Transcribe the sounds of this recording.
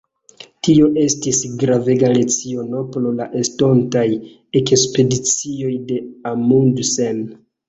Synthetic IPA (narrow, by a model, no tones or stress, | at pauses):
tio̞ʔe̞stisɡɾave̞ɡale̞t͡sio̞no̞plolaʔesto̞ntaj | ekespe̞dit͡sio̞jde̞amundsen